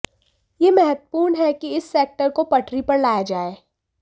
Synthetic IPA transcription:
jeːmɛɦət̪puːɾnɦɛkiɪsːeːk̚ʈəɾkopɐʈʰɾipɐɾlaːjad͡ʒaːeː

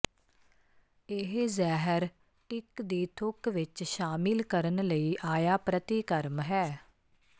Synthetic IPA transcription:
ɪɦzɛːɦəɾ | ʈɪkd̪iːt̪ʰʊkʋɪt͡ʃʃaːmɪlkəɾənləiːʔaːjaːpɾət̪iːkəɾmɦɛː

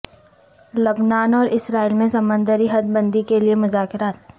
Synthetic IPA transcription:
lɐbnaːnɔːɾɪsɾaːiːlmẽsɐmə̃nd̪əɾiɦɐd̪̚bə̃nd̪ikeliemʊzaːkɪɾaːt̪̚

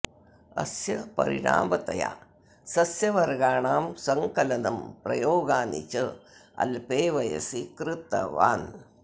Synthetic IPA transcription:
ɐ̰sjɐpɐ̰ɾḭɻa̰ːmɐt̪ɐja̰ | sɐsjɐʋɐɾɡaːɳaːmsɐŋkɐlɐnɐmpɾɐ̰joːɡaːnḭt͡ʃɐɐ̰lpeːʋɐjɐ̰sikɾɨt̪ːɐ̰ʋa̰ːn

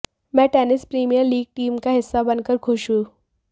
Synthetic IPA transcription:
mɛ̃ːʈɛːnɪspɾiːmijəɾliːɡ̚ʈiːmkaɦɪsːabɐnkəɾkʰʊʃũː

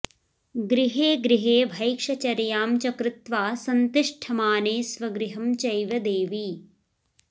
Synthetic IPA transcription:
ɡɾiɦeːɡɾiɦeːbʱɐjkʂɐt͡ʃɐɾjaːmt͡ʃɐkɾɪt̪ʋaːsɐnt̪iʂʈʰɐmaːneːsʋɐɡɾiɦɐmt͡ʃɐjʋɐd̪eːʋi

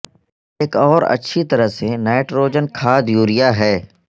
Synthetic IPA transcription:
eːkɔːɾɐ̰tːʃʰit̪ɐɾəɦseneːʈɾoːd͡ʒənkʰaːd̪juːɾɪjaɦɛː

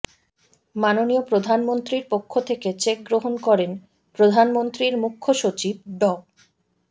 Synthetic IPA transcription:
manoniopɾod̪ʱanmont̪ɾiɾpokʰːot̪ʰeket͡ɕek̚ɡɾoɦonkɔɾen | pɾod̪ʱanmont̪ɾiɾmukʰːoʃot͡ɕib̚ɖɔ

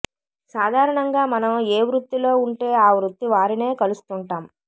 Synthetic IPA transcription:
saːd̪ʱaːɾɐɳɐŋɡaːmɐnɐmeːʋɾut̪ːilo̞ːuɳʈe̞ːaːʋɾut̪ːiʋaːɾine̞ːkɐlust̪uɳʈaːm

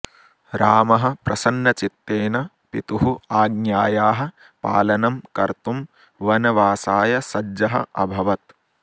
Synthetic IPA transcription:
ɾaːmɐɦɐ̆pɾɐsɐnːɐt͡ʃit̪ːeːnɐ | pit̪uɦuaːɡnjaːjaːɦɐ̆ | pa̰ːlɐnɐmkɐɾt̪um | ʋɐnɐʋaːsaːjɐsɐd͡ʒɐɦɐ̰ʔɐ̰bʱɐʋɐt̪

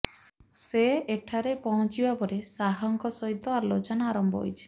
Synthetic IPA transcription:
seːʈʰaɾepɔɦɔ̃t͡ʃibapɔɾesaɦɔŋkɔsɔɦit̪ːɔaɾlot͡ʃɔnaaɾɔmbɔ̰ɦo̰jt͡ʃʰe̥

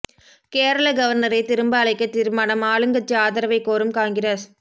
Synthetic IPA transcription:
keːɾɐɭɐɡɐʋɐɾnɐɾɐɪt̪ɪɾɯmbaːɭɐɪkːɐt̪ːɪɾɯmaːnɐmaːɭɯŋɡɐt͡ʃːiaːðɐɾɐʋɐɪkːoːɾɯmkaːŋɡɪɾɐs

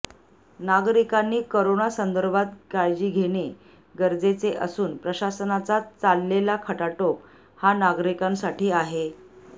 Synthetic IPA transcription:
naɡɾikanːiːkoɾonasənd̪əɾbʱat̪̚ɡajd͡ʑiːɡʱeɽ̃e | ɡəɾd͡zet͡seʔə̰suːnpɾəɕasənat͡sat͡salːelakʰəʈaʈok | hanaɡɾikãŋsaʈʰiːaɦe

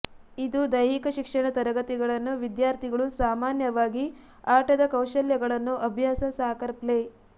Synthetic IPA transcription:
id̪ud̪ɐjɦikɐʃikʂɐɳɐt̪ɐɾɐɡɐt̪iɡɐɭɐnːuʋid̪jaːɾt̪ʰiɡɐɭusaːmaːnjɐʋaːɡi | aːʈɐd̪ɐkɐwʃɐljɐɡɐɭɐnːuʔɐbʱjaːsɐsaːkɐɾple

